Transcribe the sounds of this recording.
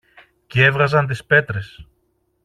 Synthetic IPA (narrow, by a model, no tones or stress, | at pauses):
cee̞vɣɐzɐnt̪̬ispe̞t̪ɾe̞s